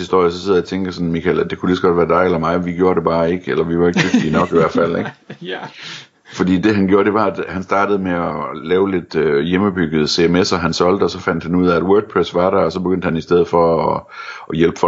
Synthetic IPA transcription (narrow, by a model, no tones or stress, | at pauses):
hisd̥o̝ɐ̰jəsɒ̽seð̰ˠjæt͡sʰeŋɡ̥əsɒ̽nmikʰælæd̥e̝kʰulisɡ̥ɒ̥ʋæːɐd̥ɑ̈ɪelɐmɑ̈ɪʋiɡ̥jo̝ːɐɾe̝b̥ɑ̈ːe̝ɡ̥elɐʋiʋɑ̈e̝ɡ̥̚d̥yɡ̥d̥iːnɒ̽ɡ̥iʋæɐd̥ffæl̰eɡ | fɒ̽d̥ḭːd̥e̝ɦænɡjo̝ːɐd̥e̝ʋɑ̈æd̥hænsd̥ɑ̈ːɾ̥əð̞̩ˠmeɒlɛːʊle̝d̥øjeməb̥yɡ̥əð̩ˠəse̝emesɒ̽ɦænsɒ̽l̰d̥əɒ̽sɒ̽fæn̰d̥hænuð̞̰ˠææd̥wøɐɡ̥̚pʰʁesʋɑ̈ɾ̥æɐɒ̽sɒ̽b̥e̝ɡ̥ønd̥hænisd̥eð̰̩ˠfɒ̽ɒ | jelb̥əfɒ